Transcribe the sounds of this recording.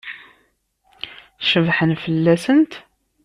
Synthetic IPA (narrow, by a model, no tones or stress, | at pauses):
ʃəvħənfəlːæsənt̪